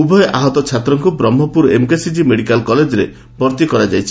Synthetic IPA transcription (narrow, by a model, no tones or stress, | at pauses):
ubʱɔjʔaɦɔt̪ɔt͡ʃʰat̪ɾɔŋkubɾɔmɦɔpuɾemkesid͡ʒimeɽikalkɔled͡ʒɔɾe | bɔɾt̪ikɔɾad͡ʒajt͡ʃʰi̥